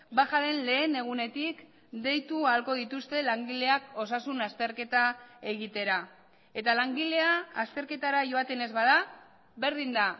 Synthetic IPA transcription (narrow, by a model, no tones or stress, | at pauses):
baxaðe̞nle̞ːne̞ɣ̞une̞t̪ik | d̪e̞jt̪ualko̞ðit̪ust̪e̞laŋɡile̞ako̞s̬asunast̪e̞ɾke̞t̪ae̞ɣ̞it̪e̞ɾa | e̞t̪alaŋɡile̞aːst̪e̞ɾke̞t̪aɾaʝo̞at̪e̞ne̞zβað̞a | βe̞ɾðind̪a